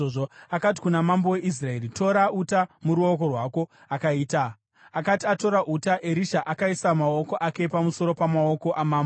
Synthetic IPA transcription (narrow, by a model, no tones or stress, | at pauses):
oʐoakati̥kunamambowe̞ʔis̬rae̞ɾito̞ɾautamuɾuo̞ko̞rwaːko̞ | akaiːta | akatiato̞ɾaʔutaʔeɾiʃaʔakaisamao̞ko̞ʔake̞pamuso̞ɾo̞pamaoko̞ʔamaːmbo